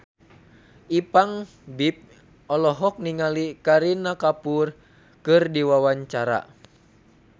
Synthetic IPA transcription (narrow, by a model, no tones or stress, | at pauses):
ipaŋ | bip̚ | ɔlɔɦɔk̚niŋalikaɾinakapur | kɨrdiwawaɲt͡ʃaɾa̰